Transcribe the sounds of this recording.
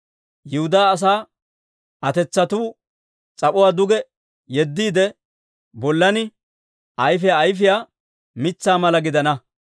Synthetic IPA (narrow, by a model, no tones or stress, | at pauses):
jɪhʊd̪aːs̬aː | ʔɐt̪ɛt͡sːɐt̪uː | t͡sʼɐpʼɔwaːd̪ʊɡɛ | jɛd̪ːiːd̪ɛ | bɔlːɐnɪ | ʔɐjfɪjaːjf̬ɪjaː | mɪt͡sːaːmɐlɐɡɪd̪ɐnɐ